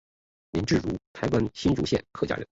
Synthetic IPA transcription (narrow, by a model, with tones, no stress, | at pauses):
li˧˥nʈ͡ʂɻ̩˥˩ɻu˧˥t̪ʰa˧˥ɪwa˥nɕi˥nʈ͡ʂu˧˥ɕjɛ̰˥˧˩nkʰɤ˥˩t͡ɕja̰˧˥ɻə˧˥˦